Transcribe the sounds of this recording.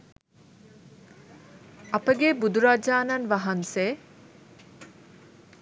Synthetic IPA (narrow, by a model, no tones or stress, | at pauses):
ɐpəɡebud̪uɾaːd͡ʒaːnɐnʋɐɦɐnseː